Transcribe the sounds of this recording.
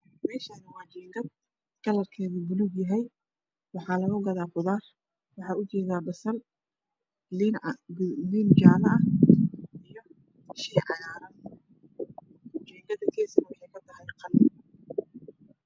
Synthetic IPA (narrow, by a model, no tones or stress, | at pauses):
mɛːʃanɪwɑːt͡ʃɛːŋɡɐd̪ | kɐlɐrkʰɛːðubʊlʊɡjɐɦɛj | wɑħɑːlɐɣʊɡɐðaːqʊðaːr | wɑħɑːʊt͡ʃɛːðaːbɐsɐl | lind͡ʒaːlɐɐ | ijɔ | ʃiːʕɑjaːɾɐn | t͡ʃɛːŋɡɐd̪ɐkʰɛːsɐmʊħɛkʰɐd̪ɐɦɛjqɑlɪ